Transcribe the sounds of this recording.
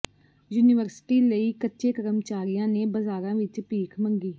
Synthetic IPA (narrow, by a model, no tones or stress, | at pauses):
juːniʋəɾsʈiːləiːkətːʃeːkəɾəmt͡ʃaːɾijãːneːbəzaːɾãːʋɪt͡ʃpiːkʰməŋɡiː